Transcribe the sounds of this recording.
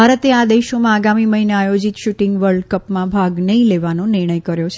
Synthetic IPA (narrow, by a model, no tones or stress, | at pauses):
bʱaɾət̪ead̪eʃomãːɡamiməɦineajod͡ʒit̪ʃuʈɪ̃ŋɡʋəɾɖkəpmãbʱaɡnəileʋanonɪɾɳ̃əjkəɾjot͡ʃʰ